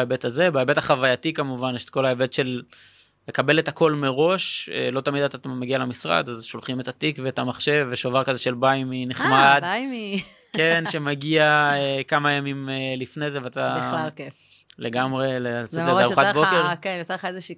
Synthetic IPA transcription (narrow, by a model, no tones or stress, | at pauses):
ebet̪aze̞baebe̞taχavajatikamuvanʃtko̞laebet̪ʃe̞lː | ekabe̞le̞tako̞lmeʁo̞ʃḛlo̞t̪amid̪at̪ameɡialemisʁa̰d̪azʃolχimet̪at̪ikveːtamaχʃe̞veʃovaʁkazeʃelbajmineχmmad̪bajmi | kenʃemaɡiaekamajamimelifnezeveat̪aake | leɡamʁe̞lesadeaʁuχat̪bokeʁkenjot͡seχaezeʃiː